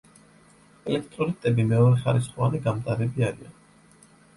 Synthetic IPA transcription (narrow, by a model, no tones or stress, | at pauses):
ɛlɛk̚ʰt̪ʼɾɔlit̪ʼɛbimɛɔɾɛχaɾisχɔaniɡamt̪ʼaɾɛbiaɾia̰n